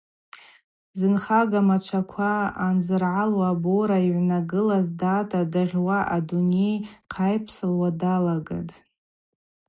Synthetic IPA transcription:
zɨnχaɡamat͡ʃʷʰakʷʰaːnzɨrʕalwaboɾaiʕʷnaɡɨlazdaːtʼadaʁʲwaʔadune̞jqʰajpʰsɨlwadalaɡa̰dʼ

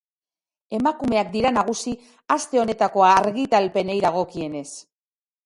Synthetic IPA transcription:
e̞makume̞ak̚d̪iɾanaɣ̞usi | ast̪e̞o̞ne̞t̪ako̞aːɾɣit̪alpe̞nejðaɣ̞o̞kie̞ne̞s

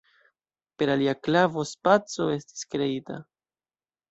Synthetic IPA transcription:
pe̞ɾaliaklavo̞spat͡so̞e̞sti̥skɾe̞ita̰

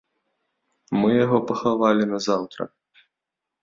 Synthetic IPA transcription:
mɨjaɣɔpɐxavalʲinɐzawt̪ɾɐ̰

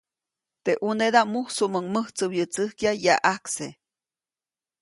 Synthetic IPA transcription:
t̪eʔuned̪amuhsuməŋməht͡sɨwjət͡sɨhkjajaʔakse

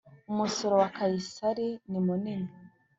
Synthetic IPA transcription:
umusoɾowakajisaɾinimunini

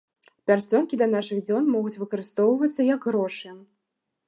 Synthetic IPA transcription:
pʲarsʲɔnkʲid̪ɐnaʂɨɣd͡zʲɔnmɔɣut͡sʲvɨkɐɾɨst̪ɔwvɐt̪sːɐjɐɡɣɾɔʂɨ

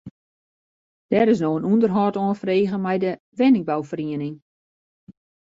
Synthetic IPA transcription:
d̥ɛːɾɪs̬noənundərɦɔːtɔənfreːɣəmɛjdə | ʋɛnɪŋ̚bawfəriənɪŋ

